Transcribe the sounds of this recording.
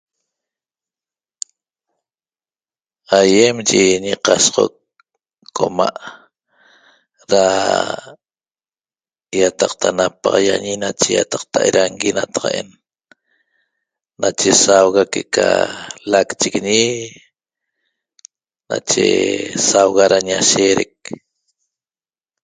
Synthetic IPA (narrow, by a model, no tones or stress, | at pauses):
ajemd͡ʒiɲiqɑsʁo̰kː | omaʔ | ɾa | jat̪ɑqt̪ʰanapɑʁɑjaɲinat͡ʃeja̰t̪ɑq̚t̪ʰaʔeɾaŋɡinat̪ɑ̥ʁɑ̰ʔen | at͡ʃesawɣakeʔkalakt͡ʃikɲi | nat͡ʃḛsawɣaɾaɲaʃeːɾek̚